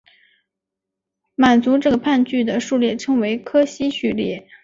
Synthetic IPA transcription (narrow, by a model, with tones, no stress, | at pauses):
ma˨˩nt͡su˧˥ʈ͡ʂɤ˥˩ɡə˩pʰa˥˧nt͡ɕy˥˩d̪ə˩ʂu˥˧ljɛ˥˩ʈ͡ʂʰɤ˥ŋwe˧˥ɪkʰɤ˥ɕi˥ɕy˥˩ljɛ˥˩